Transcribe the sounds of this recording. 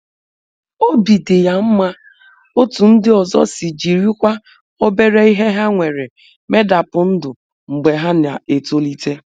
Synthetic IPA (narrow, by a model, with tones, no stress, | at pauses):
o˦bi˨de˨ja˨m̩˦ma˦ | o˦tu˨n̩˦dɪ˦ɔ˨zɔ̰˦sɪ˨d͡ʒi˨ɾi˦kʷa˦ | o˦be˦ɾe˦i˦ɦe˦ɦa˦ŋʷe˨ɾe˨ | me˦da˨pʊ˨n̩˦dʊ˨ | ŋ͡m̩˨ɡ͡be˨ɦa˦na˨e˨to˦li˦te˦